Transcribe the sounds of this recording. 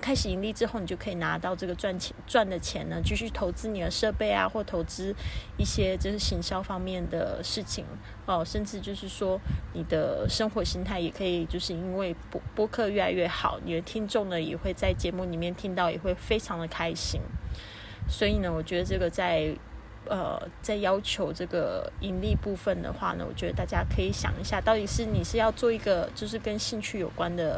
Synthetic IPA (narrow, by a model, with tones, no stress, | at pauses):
kʰa˥ɪʂɻ̩˨˩i˧˥ŋli˥˩ʈ͡ʂɻ̩˥xo˥˩ni˨˩t͡ɕo˥˩kʰi˨˩na˧˥t̪ɑ˥˧ʊʈ͡ʂɤ˥˩ɡə˩wa˥˩nt͡ɕʰʈ͡ʂwa˥˩nd̪ə˩t͡ɕʰjɛ˧˥nə˦t͡ɕy˥˧ɕy˥˩t̪ʰo˧˥ʊt͡sɹ̩˥ni˨˩d̪ə˦ʂɤ˥˧pe˥˩ɪa̰˨˩xwɔ˥˩t̪ʰo˧˥ʊt͡sɹ̩˥i˥˩ɕjɛ˥ʈ͡ʂʂɻ̩˥˩ɕi˧˥ŋɕjɑ˥ʊfɑ˥ŋmjɛ˥˩nd̪ə̰˩ʂɻ̩˥˩t͡ɕʰḭ˨˩ŋ | ɐ˧˩ʂə˥˧nʈ͡ʂɻ̩˥˧t͡ɕjo˥˧ʊʂɻ̩˥˩ʂwɔ˥ni˨˩d̪ə˦ʂɤ˥ŋxwɔ˧˥ɕi˥ŋt̪ʰa˥˩ɪjɛ˨˩kʰɤ˧˥i˨˩t͡ɕjo˥˧ʊʂɻ̩˥˧i˥nwe˥˩ɪ˥pwɔ˥kʰɤ˥˧ɥɛ˥˧la˧ɪɥɛ˥˩xɑ̰˨˩˦ʊnḭ˨˩ə˧˩t̪ʰi˥ŋʈ͡ʂʊ˥˩ŋd̪ə˩jɛ˨˩xwe˥˧ɪt͡sa˥˩ɪt͡ɕjɛ˧˥mu˥˩li˨˩mjɛ˥˩nt̪ʰi˥ŋt̪ɑ˥˩ʊjɛ̰˨˩xwe˥˩ɪfe˥ɪʈ͡ʂʰɑ˧˥ŋd̪ə˨kʰa˥ɪɕḭ˥ŋ | swɔ˧˥i˨˩nə˦wɔ˨˩t͡ɕɥɛ˧˥d̪ə˧ʈ͡ʂɤ˥˩ɡə˩t͡sa˥˩ɪ | ə̰˩t͡sa˥˩ɪjɑ˥ʊt͡ɕʰjo˧˥ʊʈ͡ʂɤ˥˩ɡə˩i˧˥nli˥˧pu˥˩fə˨˩nd̪ə̰˩xwa̰˥˩nə̰˩wɔ̰˨˩t͡ɕɥɛ˧˥də˧t̪a˥˩t͡ɕja˥kʰɤ˧˥i˧˥˦ɕjɑ̰˨˩ŋi˧˥ɕja˥˧t̪ɑ˥˩ʊt̪i˨˩ʂɻ̩˥˩ni˨˩ʂɻ̩˥˧jɑ˥˧ʊt͡swɔ˥˩i˧˥ɡə˧t͡ɕjo˥˧ʊʂ̬ɻ̩˥˩kə˥nɕi˥˧ŋt͡ɕʰy˥˩jo˨˩ʊkwa˦nd̪ə˨